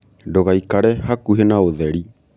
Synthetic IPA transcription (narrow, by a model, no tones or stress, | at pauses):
ndoɣaikaɾɛhakuɦenaoðɛɾi